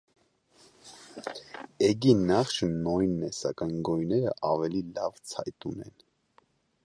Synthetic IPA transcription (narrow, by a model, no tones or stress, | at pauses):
ɛɡinɑχʃənɔjnːɛsɑ̰kɑnɡɔjnɛɾə̰ʔɑvɛlilɑ̰vt͡sʰɑjt̪unɛ̰n